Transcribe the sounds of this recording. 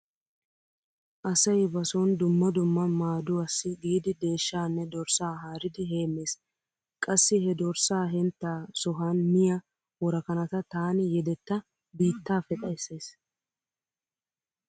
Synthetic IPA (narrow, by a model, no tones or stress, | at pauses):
ʔɐsɐjbɐsɔnd̪ʊmːɐd̪ʊmːɐmaːd̪ʊɐsːɪɡiːd̪ɪd̪e̞ːʃːaːnːɛd̪ɔɾsaːɦaːɾɪd̪ɪɦe̞ːmːe̞ːs | kʼɐsːɪhɛd̪ɔɾsaːɦɛnt̪ːaːsɔɦanmɪjɐ | wɔɾɐkɐnɐt̪ɐt̪aːnɪjɛd̪ɛt̪ːɐ | biːt̪ːaːfɛt̪ʼɐjsːe̞ːs